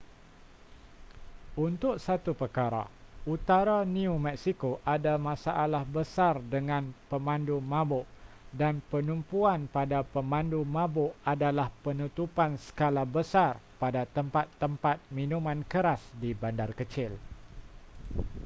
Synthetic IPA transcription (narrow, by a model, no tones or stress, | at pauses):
unt̪ʊʔsat̪upərkaɾa̰ut̪aɾanĩumɛksikoʔadamãsaʔalahbəsardəŋãnpəmãndumãbʊʔ | danpənumpuanpadapəmãndumãbʊʔadalahpənut̪upansə̥kalabəsarpadat̪əmpat̪ːəmpat̪̚minũmãnkəɾasdibandarkət͡ʃɪl